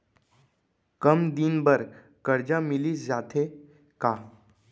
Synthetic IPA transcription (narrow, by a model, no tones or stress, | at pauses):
kəmd̪inbəɾ | kəɾd͡ʑamiliːsd͡zat̪ʰe | ka